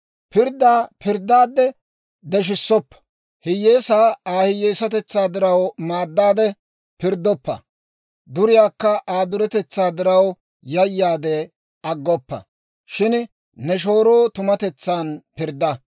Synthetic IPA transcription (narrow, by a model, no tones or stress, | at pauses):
pɪɾd̪ːaːpɪɾd̪aːd̪ːɛ | d̪ɛʃ̬ɪsːɔpːɐ̥ | hɪjːeːsaːaːhɪjːeːsɐt̪ɛt͡sːaːd̪ɪɾɐwmaːd̪ːaːd̪ɛ | pɪɾd̪ːɔpːɐ̰ | d̪ʊɾɪjaːkːɐʔaːd̪ʊɾɛt̪ɛt͡sːaːd̪ɪɾɐw | jɐjːaːd̪ɛ | ɐɡːɔpːɐ̰ | ʃɪn | nɛʃ̬o̞ːɾo̞ːt̪ʊmɐt̪ɛt͡sːaːnpɪɾd̪ːɐ